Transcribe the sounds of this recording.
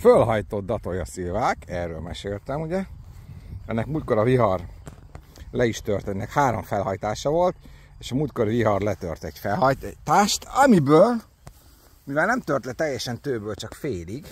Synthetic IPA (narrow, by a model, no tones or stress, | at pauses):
følɦɒjt̪o̞d̪̚d̪ɒt̪o̞jɒsilvaːkɛːrːø̰ːlmɛʃeːlt̪ɛmuɟɛ | ɛnːɛkmuːlt̪̚ko̞ɾɒviɦɒr | lɛiʃt̪ørt̪ɛnːɛkhaːɾoɱfɛlɦɒjt̪aːʃɒvo̞lt̪eːʃɒmuːt̪̚koɾiviɦɒrlɛt̪ø̰rt̪ɛɟfɛlɦɒt̪aːʃt̪ɒmibøːl | mivɛlnɛmt̪ørt̪lɛt̪ɛjːɛʃɛnt̪øːbøːlt͡ʃɒkfeːliɡ